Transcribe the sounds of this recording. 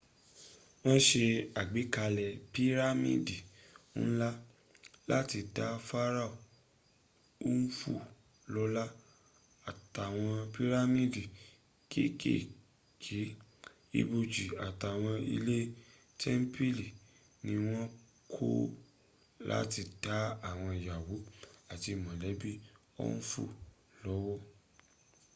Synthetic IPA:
w̃ɔ̃˦ʃe˧a˨ɡ͡bi˨˦ka˧lɛ˨pi˦ɾa˦mḭ̃˦˨di˨n̩˦la˦ | la˦ti˧˨da˨˦fa˦ɾa˦˨ | o˦n̩˦fṵ˦˨ | lɔ˧˦la˦ | a˨ta˨w̃ɔ̃˧pi˦ɾa˦mĩ˦˨di˨ | ki˦˨kḛ˦˨ | kʰi˨˦ | ḭ˧bo˨d͡ʒi˨a˨ta˧˨w̃ɔ̃˧ḭ˧le˦ | tʰɛ˦m˦pi˦li˨ | nĩ˧w̃ɔ̃˦ | kʰo̰˦ | la̰˦ti˧˨d̥a˨˦a˦˨w̃ɔ̃˧˨ja˨wo˨˦a˨ti˧˨mɔ̃˨lɛ˨˦bi˦ | o̰˦n̩˦fṵ˦˨ | lɔ˨˦wɔ˦

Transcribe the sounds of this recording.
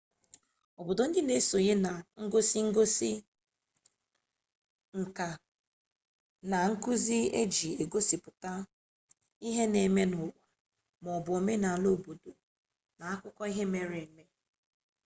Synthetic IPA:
ɔ˨bʊ˨do˨n̩˦dɪ˦ne˦so˨je˦na˨ŋ̩˦ɡo˦si˦ŋ̩˦ɡo˦si˦ | ŋ̩˨ka˨ | na˨ŋ̩˦ku˦zi˦e˦d͡ʒi˨e˨ɡo˦si˨pʊ˨ta˦ | i˦ɦe˦ne˨me˦nʊ˨lʷa˨ | m˨ɔ˨bʊ˨e˨me˦na˨a˨lo˦˨bo˨do˨ | na˨a˦kʊ˦kɔ˦i˦ɦe˦me˦ɾe˨me˦

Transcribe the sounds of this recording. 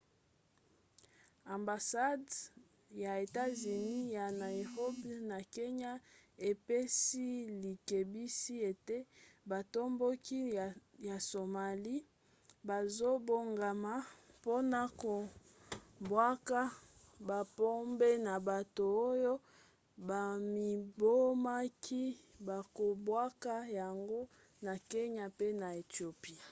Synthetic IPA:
a˨mba˨sa˦d | ja˨e˨ta˦zi˨ni˦ja˨na˨je˨ʁo˦bna˨ke˦ɲa˦e˨pe˦si˦li˨ke˨bi˦si˦e˨te˦ba˨to˦mbo˦ki˦ja˨so˨ma˨li˦ | ba˨zo˦bo˦ŋɡa˨ma˨po˦na˨ko˨ | bwa˦ka˦ | ba˨po˦mbe˦na˨ba˨to˨o˦jo˦ | ba˨mi˨bo˦ma˦kʰi˦ba˨ko˨bwa˦ka˦ja˨ŋɡo˦ | na˨ke˦ɲa˨pe˦na˨e˨tjo˨pi˦˨

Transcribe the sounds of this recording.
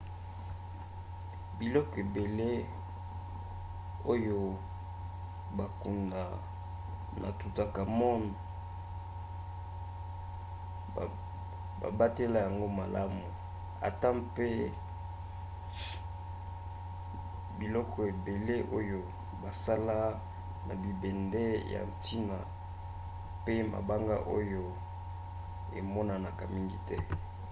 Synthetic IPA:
bi˨lɔ˦kɔ˨e˨be˨le˦ | o˦jo˦ | ba˨ku˨nda˨ | nʔa˨tu˨ta˨ka˨mɔ˦n˨ | ba̰˨ba˦te˦la˦ja˨ŋɡo˦ma˨la̰˦mu˨ | a̰˨ta˦pe˦ | bi˨lɔ˦kʰɔ˨e˨be˨le˦ʔo˦jo˦ | ba˨sa˦la˦ | na̰˨bi˨bɛ˨ndɛ˦ja̰˨n˨tʰi˦na˨ | pe˦ma̰˨ba˦ŋɡa˦ʔo˦jo˦ | ḛ˨mɔ˦na˨na˨ka˨mi˦ŋɡḭ˨tɛ˦

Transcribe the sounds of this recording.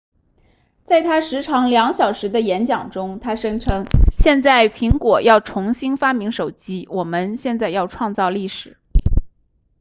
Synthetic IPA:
t͡sa˥˩ɪt̪ʰa˥ʂɻ̩˧˥ʈ͡ʂʰɑ˧˥ŋljɑ˧˥ŋɕjɑ˨˩ʊʂɻ̩˧˥d̪ə˧jɛ˧˥nt͡ɕjɑ˨˩ŋʈ͡ʂʊ˥ŋt̪ʰa˥ʂɤ˥ŋʈ͡ʂʰɤ˥ŋɕjɛ˥˧nt͡sa˥˩ɪpʰi˧˥ŋkwɔ˨˩jɑ˥˩ʊʈ͡ʂʰʊ˧˥ŋɕi˥nfa˥mi˧˥ŋʂo˨˩ʊt͡ɕi˥wɔ˨˩mə˦nɕjɛ˥˧nt͡sa˥˧ɪjɑ˥˧ʊʈ͡ʂʰwɑ˥˧ŋt͡sɑ˥˧ʊli˥˩ʂɻ̩˨˩˦

